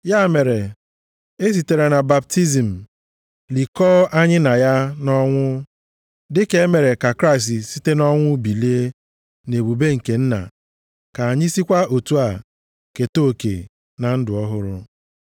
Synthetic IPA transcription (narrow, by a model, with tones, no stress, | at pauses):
ja˦˨me˨ɾe˨ | e˦s̬i˨te˨ɾe˨na˨ba˨p̚ti˦zi˨m̩˨ | li˨kɔː˦a˦ɲɪ˦na˨ja˦nɔ˦ŋʷʊ˦ | dɪ˦ke˦e˦me˨ɾe˨ka˨kɾa˦ɪ˨s̬ti˨si˦te˦nɔ˦ŋʷʊ˦bi˨le˦e˦ | ne˨bu˨be˦ŋ̩˨ke˨n̩˦na̰˨ | ka˨a˨ɲɪ˦si˦kʷa˦o˨tu˦a˨ | ke˨to˦˨kḛ˨ | na˨n̩˦dʊ˨ɔ˦ɦʊ˦ɾʊ̰˦